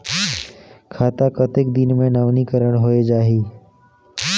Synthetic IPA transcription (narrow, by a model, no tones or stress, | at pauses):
kʰaːt̪akət̪ɪkd̪ɪnmẽnaʋnikəɾəɽ̃ɦoːed͡ʒaːɦiː